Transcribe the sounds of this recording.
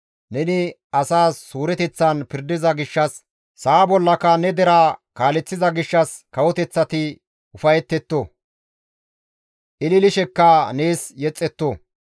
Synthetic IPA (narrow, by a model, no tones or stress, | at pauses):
nɛnɪ | ɐsaːsːuːɾɛt̪ɛt͡sːɐnpɪɾd̪ɪzɐɡɪʃːɐsː | aːbɔlːɐkɐnɛd̪ɛɾaːkaːlɛt͡sːɪzɐɡɪʃːɐskɐwɔt̪ɛt͡sːɐt̪ɪ | ʊfɐjɛt̪ːɛt̪ːo | ʔɪlɪlɪʃɛkːɐneːsjɛt͡sʼːɛt̪ːo